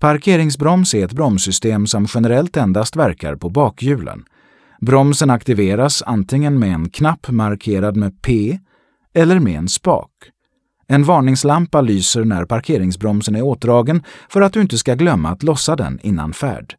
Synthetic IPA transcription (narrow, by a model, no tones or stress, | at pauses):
pʰaɾkʰeːɾɪŋs̬bɾɔmsæɾɛt̪̚bɾɔmsʏst̪eːmsɔmɧɛnəɾɛlt̪ɛnd̪ast̪væɾka̰ɾpʰɔbɑːkʰjʉ̟ːlʔə̰n | bɾɔmsənakt̪ɪveːɾasa̰nt̪ʰɪŋːənmɛɛnkʰnapːmaɾkʰeːɾad̪mepʰeː | ɛlːəɾmɛɛ̰nspɑ̰ːk | ɛnvɑːɳɪŋslampalyːsəɾɳæ̰ɾpʰaɾkʰeːɾɪŋsbɾɔmsənæɾoːt̪̚d̪ɾɑːɡənfœɾat̪̚d̪ɵɪnt̪əskaɡlœmːa̰ːt̪lɔsːad̪ɛ̰nɪ̰nːa̰nfæ̰ːɖ̥